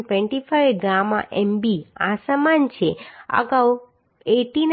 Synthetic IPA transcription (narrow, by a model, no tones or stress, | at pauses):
ʈʋɛ̃ɳʈifəjɡɾamã̰ʔɛmbiasəmant͡ʃʰeə̰ɡaw | eʈin